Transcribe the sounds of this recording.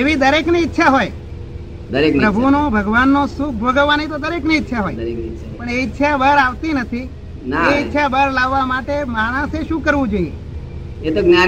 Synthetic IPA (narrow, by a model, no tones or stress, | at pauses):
eʋid̪əɾekniɪtːʃʰaɦoj | d̪əɾekpɾəbʱunõbʱəɡʋanːõsukʰbʱoɡəʋːanit̪od̪əɾekniːtːʃʰaɦoj | pəɳeɪtːʃʰabəɾaʋt̪inət̪ʰi | naeɪtːʃʰabəɾlaʋːamaʈemaɽ̃əseʃũkəɾʋũd͡ʒoiḛ | et̪oɡna